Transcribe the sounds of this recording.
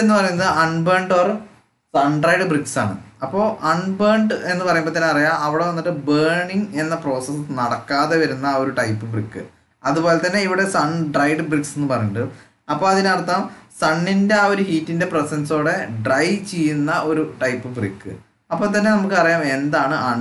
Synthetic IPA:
enːɨpɐrɐjunːɐðɨʔɐɳbeːɳɖʋɐr | sɐɳɖrɐjɖɨbriksa̰ːɳɨ̰ɐpːo̞ːʔɐɳbeːɳɖɨenːɨpɐrɐjumbot̪ɐnːeɐrijaːmɐʋiɽe̞ʋɐnːiʈːɨbeːɳiŋe̞nːɐpro̞ːsesnɐɽɐkːaːðeʋɐɾunːɐo̞ɾuʈɐjpːɨbrikːɨ̰ | ɐðubo̞ːle̞t̪ːɐnːe̞iʋiɽe̞sɐɳɖrɐjɖbrikse̞nːɨpɐrɐjuɳɖɐð | ɐpːo̞ːɐðinɐrt̪ːaːmsɐɳːinde̞aoɾuhiːtːinde̞presenso̞ːɽe̞ɖrɐjt͡ɕe̞jːunːɐʔo̞ɾuʈɐjpːɨbrḭkːɨ̰ | ɐpːoːt̪̬ɐnːe̞nɐmukːɨpɐrɐjaːme̞nd̪aːɳɨʔɐɳ

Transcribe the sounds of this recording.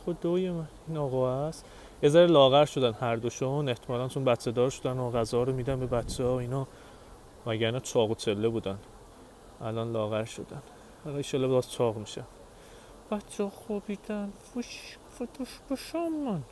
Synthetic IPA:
xod̪ojemæiːnɒːɣɒːæs | jezæɾelɒːɣæɾʃo̞d̪ænhæɾd̪oʃone̞ht̪ʰemɒːlænt͡ʃʰonbætt͡ʃʰːed̪ɒːɾʃod̪ænoɣæzɒːɾomiːd̪ænbebæt͡ʃʰːeɒinɒː | mæɟæɾnæt͡ʃʰɒːɣot͡ʃʰelːebuːd̪æn | ʔælɒːnlɒːɣæɾʃo̞̰d̪æn | ælit͡ʃelːebeɒzt͡ʃʰɒːɣmiʃæn | b̥ætt͡ʃʰːeɔxobid̪ænfoʃ | fot̪ʰoʃboʃɒmːɔn

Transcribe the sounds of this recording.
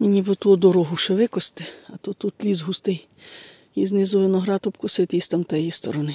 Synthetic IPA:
menʲibɪt̪uɔd̪ɔɾɔɦʊʃeʋɪkɔst̪ɪɐt̪ɔt̪ut̪lʲizɦust̪ɪj | iznɪzʊʋɪnɔɦɾɑt̪ɔpkʊset̪ist̪ɐmt̪ɐjijist̪ɔ̰ɾɔnɪ

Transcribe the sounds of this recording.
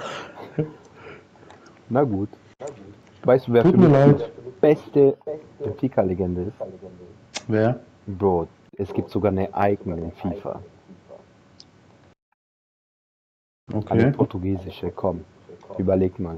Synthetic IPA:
naɡuːt | vaɪstd̥uːveːɐuːfyɐmiɐlaɪb̥ɛstə | ɪnfiːkʰaleɡɛndəɪst | veːɐ | boːt | ʔɛsɡ̥iːp̚tz̥oɡaːɐnəʔaɪɡŋ̩ɪnfiːfɐ̰ | ʔokʰaenːpʰɔɐtuɡiːzɪʃəkʰɔm | ʔyːbɐleːk̚tmaːl

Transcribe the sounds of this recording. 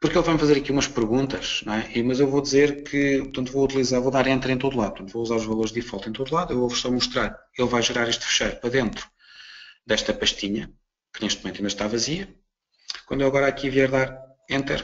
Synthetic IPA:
puɾkelˠvajmfɐzeɾɐkiumɐʃpɨɾɣũnt̪ɐʃñɛʔimɐzewvod̪izeɾkʰɨpuɾt̪ɐ̃nt̪vout̪ilˠizaɾvoðaɾẽnt̪ɛɾẽt̪oðulˠaðpɾt̪ɐ̃t̪vouzaɾuʒvɐlˠoɾʒðifalˠt̪ɐẽt̪oðulˠaðuewovsɔmuʃt̪ɾaɾelˠvajʒɨɾaɾeʃt̪fɨ̥ʃɐjɾpɾɐðẽnt̪ɾu̥ | d̪ɛʃt̪ɐpɐʃt̪iɲɐ | kɨneʃt̪muẽnt̪ĩndɐʃt̪avɐziɐ | kwɐ̃nd̪ewɐɣɔɾakiviɛɾðaɾ | ẽnt̪ɛɾ

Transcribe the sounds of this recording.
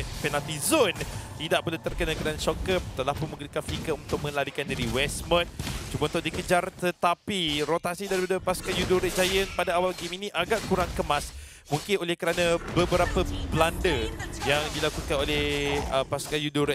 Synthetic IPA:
pɛnalt̪izont̪idaʔpəlut̪ərkənakəɾanaʃɔkəm̚t̪əlahpʊnmə̃ɡɾikanfikəunt̪ʊk̚mə̃laɾikandiɾiwɛsmə̃n̚t͡ʃumant̪ʊʔdikəd͡ʒart̪ət̪apiɾot̪asidaɾipadəpaskajuduɾɛt̪̚d͡ʒajənpadaawalɡiminĩʔaɡaʔkuɾaŋkəmas | muŋkɪnolɛhkəɾanə̃bəbəɾapəblandəjaŋdilakukanolɛhəpaskajuduɾɛ

